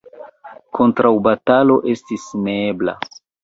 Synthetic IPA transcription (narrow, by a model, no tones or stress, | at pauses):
kʰo̞ntɾawbatalo̞ʔe̞stisneebla̰